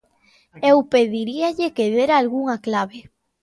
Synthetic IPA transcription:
ewpeðiɾiaʎekeðeɾalɣuŋaklaβe

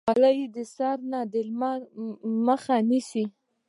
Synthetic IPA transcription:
alajd̪əsɑɾnad̪elm | məxanisi

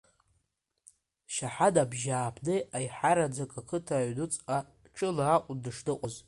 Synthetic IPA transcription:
ʃaħadabʒaːpʰdɨajħaɾad͡zakʼakʰɨtʰaɥdʊt͡sʼa | ʈ͡ʂʰʼɨlaːqʷʼʊdɨʂdɨqʷʼɔz

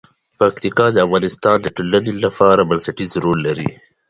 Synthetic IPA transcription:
pakt̪ikɑd̪əafɣɑːnɪst̪ɑːnd̪əʈolanilapɑːɾabɐnsɐʈizɾoːlːaɾḭ

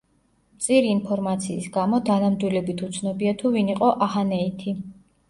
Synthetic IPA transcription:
mt̪sʼiɾiːnpʰɔɾmat̪sʰḭːsɡamɔd̪ʰanamd̪wilɛbit̪ʰut̪sʰnɔbiat̪ʰuviniqʼɔʔahanɛit̪ʰi

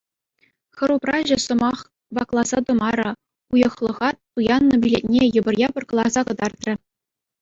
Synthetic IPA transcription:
xɤ̆ɾuprɑʑɘ̆sɤ̆mɑχ | vɑklˠɑzɑd̪ɤ̆mɑɾɤ̆ | ujɤ̆χlˠɤ̆ʁɑt̪ːujɑnːɤ̆bʲilʲet̚ʲnʲejɤ̆bɤ̆rjɑpɤ̆rkɤ̆lˠɑzɑkɤ̆d̪ɑrt̪rʲɘ̆

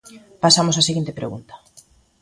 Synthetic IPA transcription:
pasamosaseɣint̪epɾeɣṵnt̪ḁ

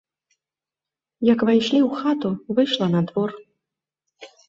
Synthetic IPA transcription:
jakvajʂlʲiwxat̪uvɨʂlˠɐnad̪vɔr

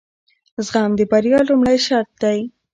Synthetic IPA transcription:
zɣɑmd̪əbaɾjɑlumɽajʃɑɾt̪̚d̪aj

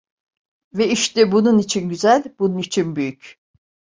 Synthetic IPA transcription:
vɛiʃt̪ʰɛbununit͡ʃʰinɟyzælʲbununit͡ʃʰinbyjyc

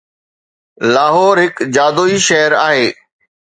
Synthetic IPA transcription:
laːɦɔːɾɦɪkd͡ʑaːd̪oːiʃɛɦəɾaːɦeː

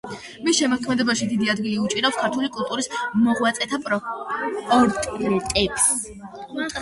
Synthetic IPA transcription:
misʃɛmɔkʰmɛd̪ɔbaʃid̪id̪iad̪ɡiliut͡ʃʼiɾapskʰaɾt̪ʰulikʼulˠt̪ʼuɾismɔʁwat̪sʼɛt̪ʰapʼ | pʼɔɾt̪ʼɾɛt̪ʼɛps

